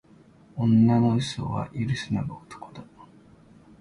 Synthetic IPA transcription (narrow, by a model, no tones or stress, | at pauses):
õnːanoiso̰βa̰ʔiɾɯsɨnaɡoot̪ʰo̥kod̪o